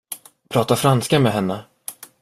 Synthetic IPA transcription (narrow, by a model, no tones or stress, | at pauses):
pʰɾɑːt̪afɾanskamɛɦɛnːə